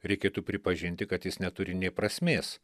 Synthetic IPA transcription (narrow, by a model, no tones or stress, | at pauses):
ɾʲɛɪkʲeːt̪upʲɾʲɪpɐʒʲɪnʲt̪ʲɪkɐt̪jɪsnʲɛt̪ʊɾʲɪnʲeːpɾɐsʲmʲeːs